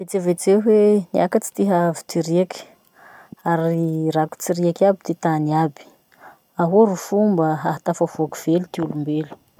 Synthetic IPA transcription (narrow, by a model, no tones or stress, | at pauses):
vet͡sevet͡seɦweniakət͡si̥t̪iɦavi̥t̪iɾiaki̥ | aɾiraku̥t͡siɾiakabid̪̥et̪aniabi̥ | aɦoɾufumbəaɦat̪afavoakuv̥elut̪iulumbelu̥